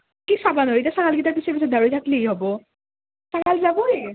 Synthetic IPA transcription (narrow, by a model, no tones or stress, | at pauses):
kisabanotasakalɡit̪aɾpisʰekisʰud̪aɾit̪ʰakliejɦɔbo | sakalzaboe